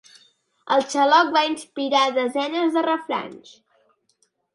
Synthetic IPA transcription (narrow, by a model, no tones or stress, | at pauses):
əlˠt͡ʃəlɔk̚bainspiɾaðəzɛnəzðərəfɾa̰ns